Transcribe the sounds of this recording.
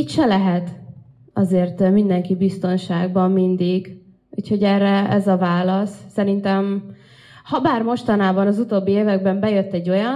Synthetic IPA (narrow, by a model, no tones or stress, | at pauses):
it̪ʃɛlɛɦɛt̪ | ɒ̰zeːrt̪mind̪ɛŋkibist̪o̞nʃaːɡ̚bɒmːind̪iɡ | uːcho̞ɟɛːrːɛɛzɒvaːlɒsːɛɾint̪ɛm | hɒbaːrmo̞ʃt̪ɒnaːbɒnɒzut̪oːbːieːvɛɡ̚bɛmbɛjø̞t̪ːɛɟːo̞jɒ